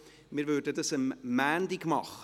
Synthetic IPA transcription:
mɪːɾvʉːdədəsəmːæːndɪɡmɑχ

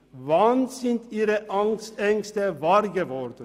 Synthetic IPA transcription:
ʋɑːnsɪnt̪iːɾəʔɑŋst̪ɛŋst̪əʋɑːɾɡəʋɔɾd̪ə

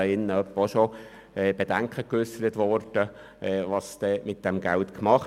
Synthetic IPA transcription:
ɪnːəœpːəoʃo | ɛːb̥ed̥æŋkʰəkʏsəɾətʋɔrd̥ə | ɛːʋɑsd̥ɛmɪt̚d̥ɛmɡæltkmɑχ

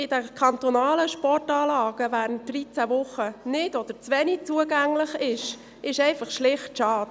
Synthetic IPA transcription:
ɪd̥ɛkʰɑnt̪ɔnɑːləʃpɔrtɑːlɑːɡ̥əvæːɾənt̚d̥̪rit͡sævʊχənɪdɔd̪̥əɾt͡sʋɛnit͡suəɡæŋləχɪʃ | ʔɪʃɛɪfɑχʃlɪχtʃɑːd̥

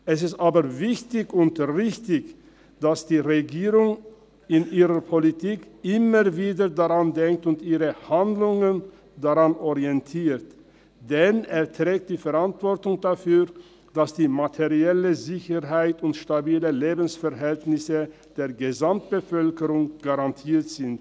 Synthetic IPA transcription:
ʔɛsɪstʔaːbɐvɪçtɪçʊntʁɪçtɪç | d̥asd̥iːʁeɡiːʁʊŋ | ɪnʔiːʁəpʰolitʰiːkʔɪməviːdədaʁandɛŋk̚tʊntʔiːʁəhandlʊŋən | daʁanʔɔʁiɛntʰiːt | d̥ɛneːɐtʁ̥ɛːk̚td̥iːfɛɐʁantv̥ɔʁtʊŋdafyː | d̥asd̥iːmatʰeʁiɛləzɪçəʁɦaɪtʊntʃtabiːləleːbn̩sfɛɐɦɛltnɪsə | d̥eːɐɡəzamt̚b̥əfœlkəʁʊŋɡ̥aʁantʰiːɐtz̥ɪnt

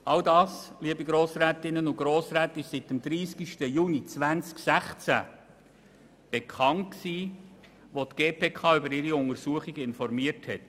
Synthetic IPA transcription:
ɑldɑːsliəbiɡɾoːsɾɛːtɪnːənʊɡ̥ɾoːsɾɛːtɪʃsɪtɛmd̪̥ɾiːskiʃtəjuːnit͡sʋænt͡sksæχt͡sæ̰ | b̥ekʰɑntksiː | ʋotɡ̥eːpʰeːkʰɑːʏbəɾɪɾiʊŋəɾsuəχiɡəɪnfɔɾmiəɾthɛt

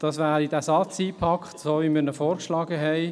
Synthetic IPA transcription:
d̥ɑsʋæːɾidæsɑt͡siːpʰɑkχtsoːʋimiːɾnɔfɔːɾkʃlɑːɡəɦɛɪ

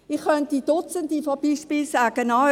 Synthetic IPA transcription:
ɪχχœnt̚did̥ʊt͡səndifɔb̥iʃpiːlsaːɡ̥ənɑ

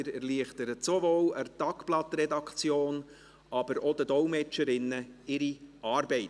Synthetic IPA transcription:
ɾɛɾliəχtəɾətsovoːləɾtɑkplɑtɾɛdɑkt͡sjoːn | ʔɑb̥əɾɔd̪ədɔlmɛt͡ʃəɾɪnːəɪɾiɑːɾbɛɪt

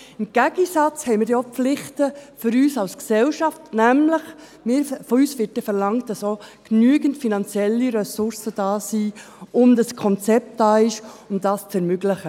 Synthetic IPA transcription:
ɪmɡ̥æɡ̥əsɑt͡shɛɪmɪɾdiop͡flɪχtəfʏɾyːsɑlsksɛlʃɑftnæmləχ | mɪɾfɔyːsvɪt̚əfɛɾlɑŋt̚d̥ɑsoknyəɡəntfinɑnt͡sjɛlːiɾɛsʊɾsəd̥ɑːsiː | ʔʊmdɑskʰɔnt͡sɛp̚t̚d̥ɑːɪʃʊndɑst͡sɛɾmʏɡləχə

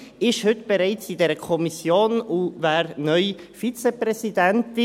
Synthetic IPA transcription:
ɪʃhʏtb̥eɾaɪt͡sɪdeːɾəkʰɔmisjoːnuvaːɾnœʏfit͡seprɛzidɛntɪ

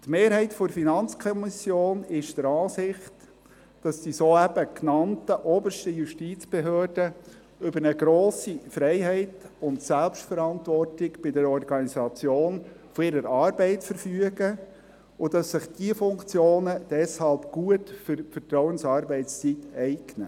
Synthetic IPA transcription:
tmeːɾɦɛɪtfɔɾfinɑnt͡skʰɔmɪsjoːnɪʃd̥əɾɑːsɪχt | d̥ɑsdisoːæbəknɑntəʔɔːbəʃtəjuʃtit͡sb̥ɛɦøːrd̥ə | ʏbəɾnəɡɾoːsifɾɛɪɦɛɪtʊntsælpʃtfəɾɑntʋɔrtɪɡb̥ɪdəɾɔrɡɑnizɑt͡sjoːn | fɔɪɾəɾɑːɾbɛɪtfəɾfyəɡə | ʊd̥ɑsːɪχd̥iəfʊŋkt͡sjoːnəd̥ɛshɑlpɡ̥uətfʏɾfərtɾɔwənsɑːɾbɛɪtt͡st͡sitɛɪɡnə

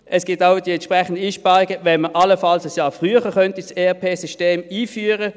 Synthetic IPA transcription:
ʔɛsɡ̥ɪːtaʊd̥iɛntt͡ʃpʁɛχən̩dəiːʃpɑːʁɪɡəvɛnməʔaləfɑlsasjɑːfʁyəχəkœntiseːapʰeːsyʃteːmiːfyːəʁə

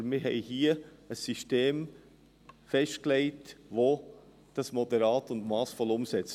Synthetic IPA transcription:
mɪɦɛɪhiːəəsːiʃteːm | fɛʃtklɛɪtʋo | d̥ɑsmɔdəɾɑːtʊndmɑːsfɔlʊmsɛt͡s

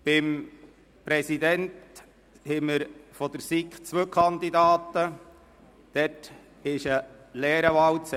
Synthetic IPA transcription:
b̥ɪm | pɾɛsid̪ɛnt | hɪməɾfɔd̪əɾsikt͡sʋœːkʰɑnd̪id̪ɑːt̪ə | d̥ɛt | ɪʃəlɛːɾəʋɑwt͡s

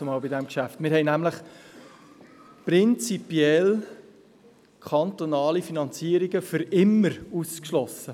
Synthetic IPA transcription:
əmɑːlbɪdɛmkʃæftmɪɾɦɛɪnæmləχ | pɾɪnt͡sipjɛl | kʰχɑnt̪onɑːlifinɑnt͡siəɾiɡəfʏɾɪmːəɾuskʃlɔsːə

